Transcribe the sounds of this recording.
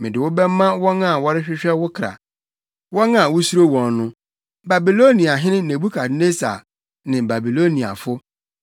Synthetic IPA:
mɪ̃˨dɪ˨wʊ˦bɛ˦m˦mːã˦wɔ̃˦nã˦˨wɔ˦ɾɪ˦ɕᶣɪ˦ɕᶣɛ˦wʊ˦kʰɾa̰˨ | wɔ˦nã˨wʊ˦su˦ɾo˦wɔ̃˨n˦nʊ̃˦ | ba˨bi˨lo˦nĩ˨a˨ɦɪ̃˦nɪ̃˦nẽ˨bu˦kʰa˨˦ne˦sa̰˨ | nɪ̃˨ba˨bi˨lo˦nĩ˨a̰˨fʊ˦

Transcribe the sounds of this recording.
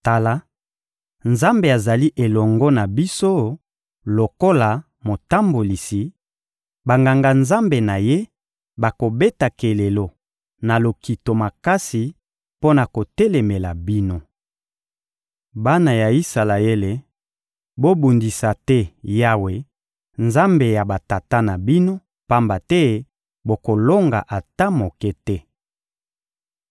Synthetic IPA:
ta˨la˦ | nza˦mbe˨a˨za˨li˦ʔe˨lɔ˨ŋɡɔ˦na˨bi˦so˦ | lo˨ko˦la˨ | mo˨ta˦mbo˨li˨si˨ | ba˨ŋɡa˨ŋɡa˨nza˦mbe˨na˨je˦ | ba˨ko˨be˦ta˨ke˨le˨lo˨ | na˨lo˨ki˨to˨ma˨ka˦si˨ | po˦na˨ko˨tɛ˦le˨me˨la˨bi˦no˦ | ba˦na˨ja˨i˦sa˨la˨e˦le˨ | bo˦bu˨ndi˨sa˨tɛ˦ja˦we˨ | nza˦mbe˨ja˨ba˨ta˨ta˦na˨bi˦no˦ | pa˦mba˨tɛ˦ | bo˨ko˨lo˦ŋɡa̰˨ʔa˨ta˦mo˨kɛ˦tɛ˦

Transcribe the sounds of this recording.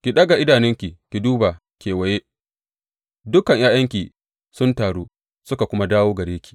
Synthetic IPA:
kʲi˨ɗɐ˦ɡa˨ʔɪ˦daː˨nɪ˦ŋkʲi˨kʲi˨duː˦ba˨ | kʲeː˨wɐ˨jeː˦ | dʊ˦kɐ˨ɲjaː˦jɐ˦ŋkʲiː˨ | sʊ˦ntaː˨ɽoː˦ | sʊ˦ka˨kʷʊ˦ma˦daː˦woː˦ɡɐ˨ɽeː˦kʲi̥˨

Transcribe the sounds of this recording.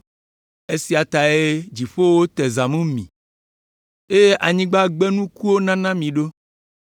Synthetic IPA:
e˦si˨a˨t̪a˨e˦d͡ʒi˨ɸo˦wo˦t̪e˨za˨mũ˦mḭ̃˨ | e˦je˦ʔa˨ɲĩ˦ɡ͡ba˦ɡ͡bɛ˦nũ˦ku˦wo˦nã˦nã˦mĩ˨ɖo˦

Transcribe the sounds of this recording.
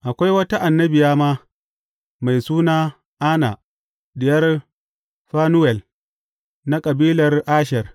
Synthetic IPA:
ʔa˨kʷa˦jwɐ˦ta˦ʔa˨nːɐ˦bɪ˨jaː˦maː˦ | ma˨jsuː˦naː˦ | ʔa˦na̰˨ | dɪ˨jɐ˦r | ɸaː˦nʊ˦wɛ˨l | na˦kʼɐ˨biː˦lɐ˨rʔaː˦ʃɛ˨r

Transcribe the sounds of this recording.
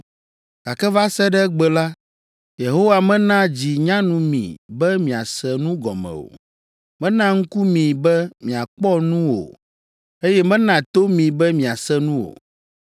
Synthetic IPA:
ɡ̥a˨kɛ˦va˦sɛ˦ɖɛ˦ɡ͡bɛ˨la˦ | je˨ɦo˦wa˨mɛ̃˦nã˦d͡ʑi˨ɲã˦nũ˦mḭ̃˨bɛ˦mĩ˨a˨sɛ˦nũ˦ɡɔ˨mɛ̰̃˨o̰˨ | mɛ̃˦nã˦ŋ̩˦ku˦mĩ˨bɛ˦mĩ˨a˨k͡pɔ˦nũ˦wo̰˨ | e˦jɛ˦mɛ̃˦nã˨t̪o˦mĩ˨bɛ˦mĩ˨a˨sɛ˦nũ˦wo̰˨

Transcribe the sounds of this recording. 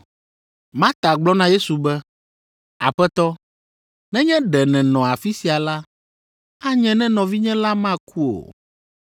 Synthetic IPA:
mã˦t̪a˨ɡ͡blɔ˦nã˦je˦su˨bɛ˦ | a̰˨ɸɛ˦t̪ɔ˦ | nɛ̃˦ɲɛ̃˦ɖɛ˨nɛ̃˨nɔ̃˨a˨fi˦si˨a˨la˦ | a˦ɲɛ̃˨nɛ̃˦nɔ̃˨vi˦ɲɛ̃˦la˦mã˦kʰu˦o̰˨

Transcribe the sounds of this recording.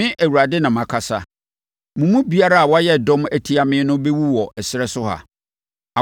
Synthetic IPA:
ɪ̃˦ʔæ˨wu˨ɾa˨dɪ˦nã˨mã˨kʰa˨sa˨ | mʊ̃˨mũ˦bi˨˦a˦ɾa˦a˨wɔ˦jɛ˦dɔ̃˦mæ˦tʰi˦a˨mɪ̃˦nʊ̃˦bɛ˦wu˦wɔ˨ɛ˨sɪ˨˦ɾɛ˦sʊ˦ɦa̰˨ | a˨

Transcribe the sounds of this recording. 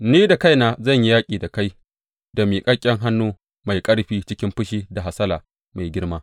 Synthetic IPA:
niː˦da˨ka˦jnaː˦˨zɐ˦˨ɲji˦jaː˦kʲʼiː˨da˨ka˦j | da˨miː˨kʼɐ˦kʲʼɛ˦ŋɦa˦nːuː˦ | ma˨jkʼɐ˦ɽɸiː˦t͡ʃɪ˦kʲɪ˦mɸʊ˦ʃiː˦da˨ɦa˨sɐ˦la̰ː˨ | ma˨jɡʲɪ˦ɽmaː˦

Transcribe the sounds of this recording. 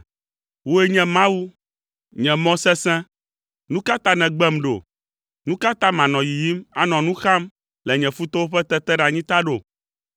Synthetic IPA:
wo˦e˦ɲɛ̃˨mã˦wu˦ | ɲɛ̃˨mɔ̃˦sɛ˦sɛ̃˦ | nũ˦ka˦t̪a˦nɛ̃˨ɡ͡bɛ˦mɖo̰˨ | nũ˦ka˦t̪a˦mã˨nɔ̃˨ji˨ji˦ma˨nɔ̃˨nũ˦xa˦m | lɛ˨ɲɛ̃˨fu˦t̪ɔ˦wo˦ɸɛ˦t̪ɛ˦t̪ɛ˦ɖa˨ɲĩ˦t̪a˦ɖo˨

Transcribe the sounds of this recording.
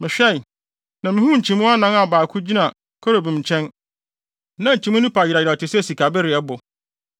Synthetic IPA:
mɪ̃˨ɕᶣɛ˦˨ | nã˨mɪ̃˦hũ˦ɲ̩˨t͡ɕʰĩ˨mũ˦a˦nã˦ŋa˨baː˨kʰu˦d͡ʑi˦nã˨ | kʰɔ˦ɾo˨bĩ˨m̩˨t͡ɕʰɛ̃˦n | nã˦ɲ̩˨t͡ɕʰĩ˨˦mũ˦nɪ̃˦pʰa˨ji˨ɾa˨ɪ˨a˨tʰɪ˨sɛ˦˨si˨kʰa˨bɛ˦ɾɪ˨ɛ˦bʊ˨

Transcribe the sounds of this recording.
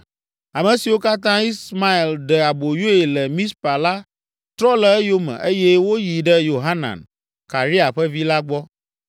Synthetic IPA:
a˨mɛ̃˨si˨wo˦ka˦t̪ã˦i˦sma˦i˨lɖɛ˨a˨bo˨jo˦e˨lɛ˨mĩ˦spa˨la˦ | t̪ɾɔ˦lɛ˨e˦jo˦mɛ̰̃˨ʔe˦jɛ˦wo˦ji˨ɖɛ˦jo˨ɦa˦nã̰˨n | ka˨ɾi˦a˨ɸɛ˦vi˦la˦ɡ͡bɔ˦

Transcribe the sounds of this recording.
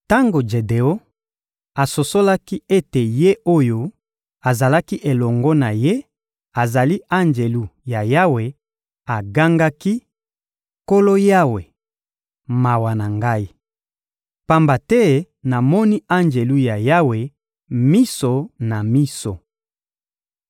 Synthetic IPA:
ta˦ŋɡo˨d͡ʒe˨de˨o˦ | a˨so˨so˦la˦ki˦e˦te˨je˦o˦jo˦ | a˨za˨la˦ki˦ʔe˨lɔ˨ŋɡɔ˦na˨je˦ | a˨za˨li˦a˦nd͡ʒe˨lu˦ja˨ja˦we˨ | a˨ɡa˦ŋɡa˦ki˦ | ko˦lo˦ja˦we˨ | ma˨wa˨na˨ŋɡa˦i˦ | pa˦mba˨tɛ˦ | na˨mɔ˦ni˦a˦nd͡ʒe˨lu˦ja˨ja˦we˨ | mi˦so˨na˨mi˦so̰˨

